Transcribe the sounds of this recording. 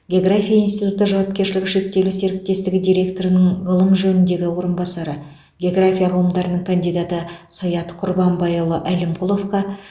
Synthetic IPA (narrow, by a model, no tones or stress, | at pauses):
ɡʲeo̞ɡrafʲijainst̪it̪ut̪əʒɑwɑp̚kʲeɾʃɪlɪɡʲɪʃe̞k̚t̪e̞luse̞ɾɪk̚t̪e̞st̪ɪɡʲɪd̪ijɾʲe̞kt̪o̞ɾənəɴʁəlˠəmʒɵnɪnd̪e̞ɡʲɪwo̞ɾənbɑsɑɾə | ɡʲeoɡrafʲijaqʰəlˠəmd̪ɑɾənəɴŋkʰand̪ijd̪at̪əsɑjɑt̪qʰʊɾbɑmbɑjulˠəʔælɪmqʰʊlˠo̞fqɑ